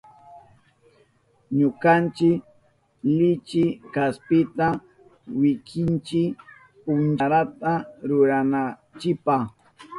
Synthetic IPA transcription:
ɲʊkant͡ʃɪk | lɪt͡ʃɪkaspɪt̪a | wɪkʰɪnt͡ʃɪ | pʊnt͡ʃaɾat̪aɾʊɾanat͡ʃɪpah

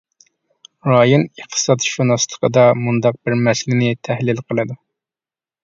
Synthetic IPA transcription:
ɾɑjonəχt̪ʰɨ̥sɑt̪ʃunɑslˠə̥qʰəd̪ɑmund̪ɑq̚bɪɾmɛslɪnɪt̪ʰæhlɪlqʰəlˠɨd̪u

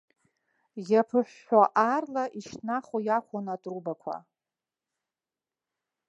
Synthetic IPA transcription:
japʰɨħʷᶣːaʔarlaʔiʃnaχojakʷʰonatʼrubakʷʰa̰

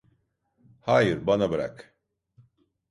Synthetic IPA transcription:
haːjɯɾbanabɯɾa̰k

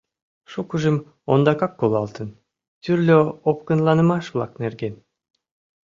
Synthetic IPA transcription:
ʃukuʒɯm | ond̪ɑkɑk̚ːolˠɑlˠt̪ɯn | t̪ʰyɾlʲøop̚kɯnlˠɑnɯmɑʃvlˠɑ̰kneɾɡen

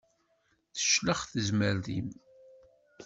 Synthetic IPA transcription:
θə̥ʃləχθəzməɾðḭm

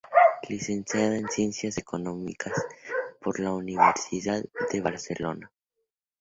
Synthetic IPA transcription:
lise̞nsjaðaensje̞nsjaseko̞no̞mḭkʰaspo̞ɾlauniβḛɾsiðaððeβaɾse̞lo̞̰na

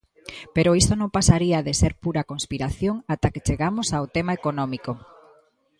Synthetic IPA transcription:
peɾoist̪onõŋpasaɾiaðeseɾpuɾakonspiɾaθjoŋat̪aket͡ʃeɣamosawt̪emaekonɔmiko

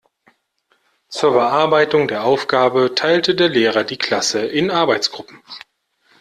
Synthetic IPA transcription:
t͡suːɐbəʔaɐbaɪtʊŋdeːɐʔaʊfɡ̥aːbətʰaɪltədeːɐleːʁ̞ɐdiːkʰl̥asəʔɪnʔaɐbaɪt͡sɡ̥ʁʊpm̩

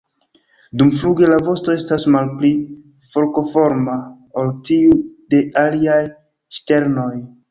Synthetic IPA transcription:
dumfluɡe̞lavo̞sto̞e̞stasmalpli | fo̞ɾko̞fo̞ɾma | oltiude̞aliaj | ʃte̞ɾno̞j

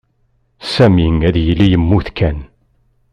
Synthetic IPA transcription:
sæmiŋæðjəlːijəmːuθkæn

